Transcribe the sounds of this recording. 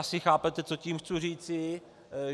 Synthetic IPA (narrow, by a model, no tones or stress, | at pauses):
asɪxaːpɛt̪ɛt͡so̞ciːmxt͡suriːt͡sɪ